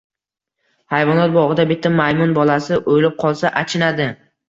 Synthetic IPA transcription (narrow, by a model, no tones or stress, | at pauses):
hajvɒnɒt̪̚bɒʁɨd̪abɪt̪ʰːamajmʊnbɒlasɪʔojlɪp̚qʰɒlˠsaʔat͡ʃʰɪnad̪ɪ